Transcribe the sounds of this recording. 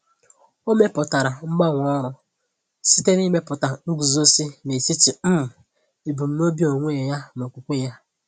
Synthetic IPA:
o˦me˦pʊ˨ta˨ɾa˨m̩˦ɡ͡ba˦ŋʷ˨ɔ˦ɾʊ˦ | si˦te˦ni˦me˦pʊ˨ta˨ŋ̩˦ɡu˨zo˦si˦ne˨t͡ʃi˦t͡ʃi˨m̩˦m̩˨ | i˨bu˨m̩˦no˦bi˦o˨ŋʷe˦˨ja˦no˨kʷu˨kʷe˦˨ja˦

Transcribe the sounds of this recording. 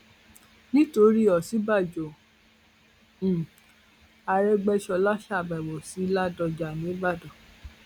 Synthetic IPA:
nĩ˦to˧˦ɾi˦˨ɔ˨si˨˦ba˦˨d͡ʒo˨ | a˧ɾɛ˦ɡ͡bɛ˧ʃɔ˧la˦ʃa˦˨bɛ˨wo˨si˨˦la˦dɔ˧d͡ʒa˨nĩ˨˦ba˦˨dɔ˨

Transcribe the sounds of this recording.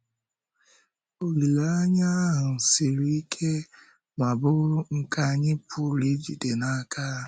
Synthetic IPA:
o˨li˨la˦a˦ɲa˦ɦʊ˨n̩˨si˨ɾi˦i˦kʰe˦ | ma˨bʊ˦ŋ̩˦ka˦ɲɪ˦pʊ˦˨ɾi˦d͡ʒi˨de˨na˨ka˦

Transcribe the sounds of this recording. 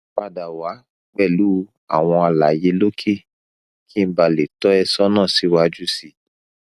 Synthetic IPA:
k͡pa˧da˨wa˨˦ | ɡ͡bɛ˦˨lu˦ | a̰˨w̃ɔ̃˧a˧la˨je˨˧lo˦kʰe˦˨ | kʰi˦m̩˦ba˧le˨tɔ˦ɛ˧sɔ˦nãː˦˨si˨˦wa˦d͡ʒu˦si˧˦

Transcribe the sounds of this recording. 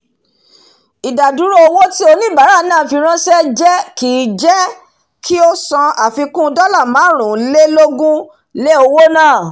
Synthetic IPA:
i˨da˨du˨˦ɾo˦o˧wo˦ti˦o˧nĩ˦ba˨˦ɾa˦˨nãː˦˨fi˧ɾ̃ã˦sɛ˦d͡ʒɛ˦ki˨˦d͡ʒɛ˦ | kʰi˦o˦sã˧a˨fi˧kũ˦dɔ˦la˦˨mãː˨˦ɾ̃ũ˨˦le˦lo˦ɡũ˦ | le˦o˧wo˦nãː˦˨

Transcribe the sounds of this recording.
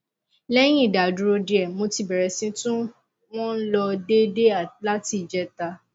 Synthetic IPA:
lɛ˦j̃ĩ˦i˨da˨du˨ɾo˧di˨ɛ˨mo˧ti˧bɛ˨ɾɛ˨sĩ˧tũ˦ | w̃ɔ̃˦n̩˦lɔ˧de˦de˦a˨la˦ti˧˨d͡ʒɛ˧˦ta˧

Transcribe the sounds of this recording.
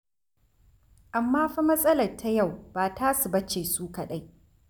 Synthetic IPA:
ʔa˨mːaː˦ɸa˦mɐ˦sʼɐ˦lɐ˨rtʰːa˦ja˦˨wbaː˨taː˦su˨bɐ˦t͡ʃeː˨suː˦ka˨ɗa˦j

